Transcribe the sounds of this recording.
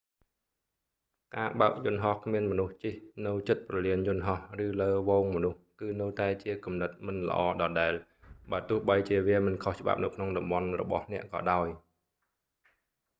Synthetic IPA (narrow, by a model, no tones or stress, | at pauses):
kaːɓaək̚jʊnɦɑhkʰmiənmɔnuht͡ɕihnɨwt͡ɕɨt̪̚prɑliənjʊ̆nɦɑhrɨːləːʋoːŋmɔnuhkɨːnɨwt̪aɛt͡ɕiəkumnɨt̪̚mɨnlə̰̆ʔɑːɗɑːɗaɛl | ɓaːt̪ʊ̆əhɓəjt͡ɕiəʋiəmɨnkʰoht͡ɕəɓa̰p̚nɨwkʰnoŋɗɑmɓɑnrɔ̰ɓɑ̰hnɛ̆əʔkɑ̰ːɗaɔj